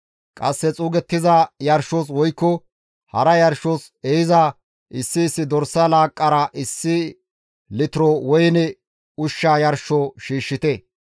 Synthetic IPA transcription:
kʼɐsːɛt͡sʼuːɡɛt̪ːɪzɐjɐɾʃoːs̬wɔjkːɔ | hɐɾɐjɐɾʃos | ejɪza | ʔɪsːɪːsːɪd̪ɔɾsːɐlaːkʼːɐɾɐʔɪsːɪ | lɪt̪ɪɾɔwɔjnɛ | ʊʃːaːjɐɾʃoʃiːʃːɪt̪ɛ

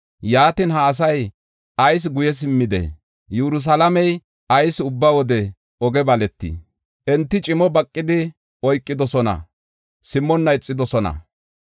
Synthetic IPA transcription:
jaːt̪ɪnɦɐːs̬ɐj | ʔɐjs̬ɡʊjɛs̬ɪmːɪd̪ɛ̰ | jɛɾʊs̬ɐlɐmɛj | ɐjsʊbːawɔd̪ɛ | ɔɡɛbɐlɛt̪ːḭ | ʔɛnt̪ːɪt͡ʃʼɪmɔbɐkʼːɪd̪ɪ | ɔjkʼːɪd̪ɔsɔnɐ̰ | sɪmːɔnːɐɪt͡sʼːɪd̪ɔsɔnɐ̰

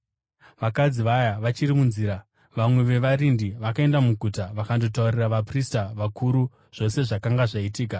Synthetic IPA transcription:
ʋakad͡ziʋajaʋat͡ʃirimunziːɾa | ʋamwe̞ʋe̞ʋaɾindiʋakae̞ndamuɡʱutaʋakando̞t̬auriraʋapristaʋakuːɾu | ʐ̥o̞se̞ʐakaŋɡaʐaitiːka

